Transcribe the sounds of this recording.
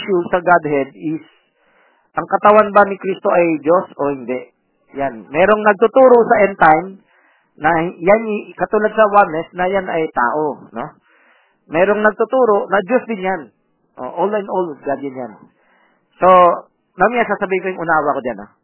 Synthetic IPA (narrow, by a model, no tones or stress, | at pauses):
ʃusɐɡad̪hɛd̪̚ɪs | ʔɐŋkɐt̪ɐwanbɐnɪkɾist̪o̞ʔɐjd͡ʒosʔo̞hɪnd̪ɛʔ | janmɛːɾo̞ŋnɐɡ̚t̪ʊt̪uːɾosɐʔɛnt̪ajm | nɐjanɪkɐt̪uːlɐd̪̚sɐwanlɛsnɐjanɐjt̪a̰ːʔono̞ | mɛːɾo̞ŋnɐɡ̚t̪ʊt̪uːɾo̞nɐd͡ʒosd̪ɪnjan | ʔo̰ʔolɐnʔolɡad̪ɪnjan | so̞ | nɐmɪnɐsasɐbiːhɪnkojʊŋʔʊnaːwakod͡ʒana